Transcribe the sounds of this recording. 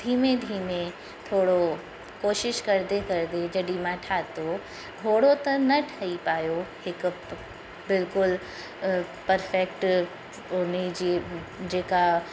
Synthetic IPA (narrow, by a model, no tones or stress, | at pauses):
d̪ʱiːmẽd̪ʱiːmẽ | t̪ʰoːɽo | koːʃɪʃkɐɾd̪ekɐɾd̪ed͡ʑɐɗimãʈʰaːt̪o | t̪ʰoːɽot̪ɐnɐʈʰaipaːjohɪk | bɪlkʊl | pɐɾfɛkʈ | ʊnid͡ʑid͡ʑeːka